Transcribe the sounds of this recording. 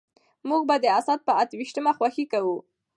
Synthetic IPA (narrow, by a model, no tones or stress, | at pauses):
muɡbad̪əasat̪̚pəat̪wiʃt̪əmaxwaxikawu